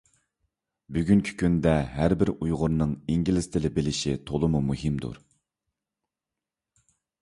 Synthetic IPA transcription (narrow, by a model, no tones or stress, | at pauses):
byɡʲyŋkʲʰi̥kʲʰynd̪ɛɦæɾbɪɾujʁʊɾnɨŋiŋɡʲilɪst̪ʰɪlɪbɪlɪʃit̪ʰolˠɨmumuɦɪmd̪ṵɾ